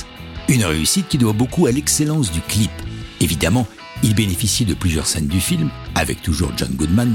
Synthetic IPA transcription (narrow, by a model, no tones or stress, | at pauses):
ynʁeysit̪̚kʲid̪wabokualɛkselɑ̃s̬d̪yklipevid̪amɑ̃ | ilbenefisjid̪əplyzjœ̰ʁsɛnd̪yfilmavɛ̰k̚t̪uʒṵʁʒɔ̰nɡud̪man